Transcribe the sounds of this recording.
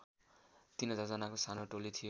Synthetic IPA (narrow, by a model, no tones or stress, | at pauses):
t̪inʌd͡zʌd͡zʌnakosanoʈolit̪ʰijo